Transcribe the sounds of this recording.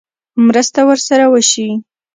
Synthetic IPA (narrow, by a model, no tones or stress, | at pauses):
mɾəst̪awəɾsaɾawəʃi